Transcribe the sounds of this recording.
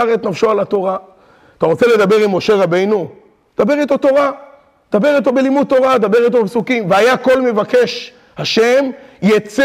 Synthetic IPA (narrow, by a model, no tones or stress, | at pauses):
ʁet̪nafʃoalat̪o̞ʁa | t̪aʁot͡se̞le̞d̪abe̞ʁimːo̞ʃe̞ʁabe̞jnu | d̪abe̞ʁit̪o̞t̪o̞ʁa | d̪abe̞ʁit̪̬o̞be̞limud̚tːo̞ʁad̪abe̞ʁit̪̬o̞bepsukimveajako̞lme̞vake̞ʃ | haʃe̞mjet͡s